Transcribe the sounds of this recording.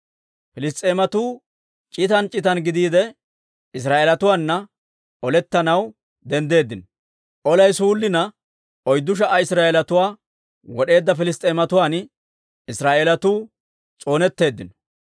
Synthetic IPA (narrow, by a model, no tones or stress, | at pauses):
fɪlɪs̬t̪ʼːe̞ːmɐt̪uː | t͡ʃʼɪt̪ɐnt͡ʃʼɪt̪ɐnɡɪd̪iːd̪ɛ | ɪs̬ɾaːʔeːlɐt̪ʊwaːnːɐ | ɔlɛt̪ːɐnɐw | d̪ɛnd̪e̞ːd̪ːɪnɔ | ʔɔlɐjsuːlːɪnɐ | ɔjd̪ːʊʃ̬ɐʔɐɪsɾaːʔelɐt̪ʊwaː | wɔɗe̞ːd̪ːɐfɪlɪs̬t̪ʼeːmɐt̪ʊwaːn | ɪsɾaːʔeːlɐt̪uː | t͡sʼo̞ːnɛt̪ːe̞ːd̪ːɪnɔ